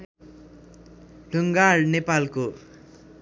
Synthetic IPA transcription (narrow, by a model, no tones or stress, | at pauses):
lʱuŋɡarnepalko